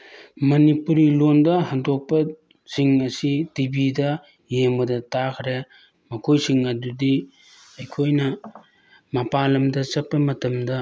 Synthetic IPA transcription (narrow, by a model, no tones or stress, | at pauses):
mɐnipuɾilondɐɦaŋdok̚pɐ | siŋɐsitibidɐ | jembɐdɐtakʰɾe | mɐkʰojsiŋɐdudi | ɐjkʰojnɐ | mɐpalɐmdɐsɐpːɐmɐtɐmdɐ